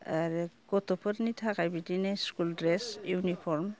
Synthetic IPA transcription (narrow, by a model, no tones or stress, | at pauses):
aɾiɡɔtɔpʰɯɾnitʰaɡajbidinajskuldɾesjunipʰɔɾm